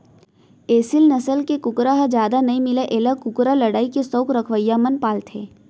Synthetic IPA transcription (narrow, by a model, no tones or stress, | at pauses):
eːsɪlnɐsəlkekʊkɾaɦəd͡ʒjaːd̪anɐɦĩmɪleʔeːləkʊkɾalɐɽaːikesəːkɾɐkʰʋəjːamənpaːlt̪ʰeː